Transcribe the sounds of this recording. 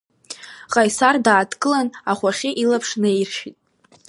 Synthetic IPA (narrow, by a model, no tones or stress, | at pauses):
ʁʼajsardaːdkʼɨlanaχʷaχʲɪʔilapʰʂnejrʃitʼ